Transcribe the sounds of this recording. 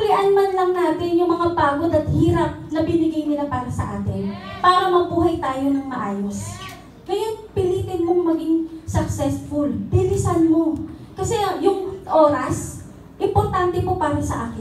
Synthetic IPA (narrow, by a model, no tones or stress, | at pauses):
ʊlɪʔanmanlɐŋnaːt̪ɪnjʊŋmɐŋapaːɡo̞d̪ɐt̪̚hiːɾɐp̚nɐbɪnɪɡajnɪlapaːɾɐsɐ̰ʔaːt̪ɪnpaːɾɐmɐbuːɦɐjt̪aːjo̞nɐŋmɐʔaːjo̞s | ɡɐjanpɪliːt̪ɪnmoŋmɐɡɪŋsɐk̚sɛsfʊlpɪlɪsanmo̞kɐsɛjʊŋʔo̞ːɾɐs | ʔɪmpoɾt̪ant̪ɛpo̞paːɾɐsɐ̰ʔaːkɪ